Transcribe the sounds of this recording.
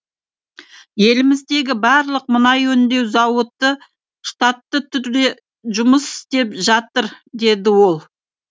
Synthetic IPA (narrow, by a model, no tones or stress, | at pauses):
je̞lɪmɪzd̪e̞ɡʲɪbɑɾlˠəq̚mənɑjɵnd̪e̞wzɑwət̪ːə | ʃt̪at̪ːət̪ʰʏɾd̪e | ʒʊməsɪ̥st̪e̞pʒɑt̪əɾd̪e̞d̪ɪwo̞lˠ